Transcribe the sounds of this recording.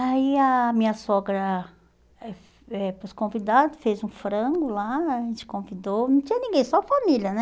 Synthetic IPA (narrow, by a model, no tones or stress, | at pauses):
aiɐmĩɲɐsɔɡɾɐ | ɛf | ɛposkõvid̪ad̪ʊfezũfɾɐ̃ɡʊlaaʒẽnt͡ʃɪ̥kõvid̪ownɐ̃w̃t͡ʃĩɲɐnĩɡẽj̃sɔfamiljɐnɛ